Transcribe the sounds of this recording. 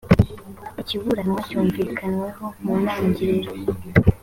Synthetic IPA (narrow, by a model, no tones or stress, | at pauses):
iciβuɾanwacuːɱviːkʰanwe̞ho̞munaɲɟiɾeɾe